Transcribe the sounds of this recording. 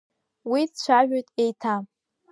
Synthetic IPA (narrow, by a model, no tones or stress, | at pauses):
wit͡ɕʷʰaʒᶣajtʼejtʰa